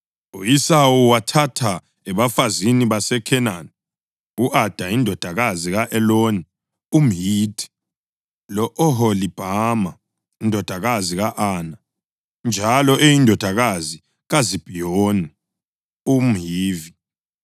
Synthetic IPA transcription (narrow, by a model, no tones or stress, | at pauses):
uisawuwatʰatʰa | ɛβafaziniβasɛkʰɛnani | uʔad̥ʱaindʱɔd̥ʱaɣaziɣaʔɛloni | um̩ɦiːd̥ʰʱʼi̥ | lɔʔɔɦɔlib̥ʱama | indʱɔd̥ʱaɣaziɣaʔaːna | nd͡ʒʱalɔʔejindʱɔd̥ʱaɣazi | ɣazib̥ʱijoːni | um̩ɦiːvi